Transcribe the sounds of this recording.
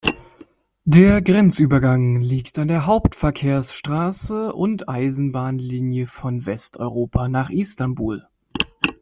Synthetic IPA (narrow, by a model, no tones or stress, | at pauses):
deːɐɡʁɛnt͡sʔyːbɐɡaŋliːktandeːɐɦaʊptfɛɐkʰeːɐsʃtʁ̥aːsəʔʊntʔaɪzn̩baːnliːnjəfɔnvɛstʔɔ̰ʏʁoːpʰanaːχʔistanbuːl